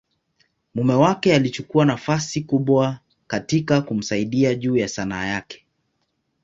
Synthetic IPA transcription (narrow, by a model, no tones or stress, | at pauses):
mumɛwakɛalit͡ʃukuanafasikuɓwa | katikakum̩saiɗiaʄuːjasanaːjakɛ̥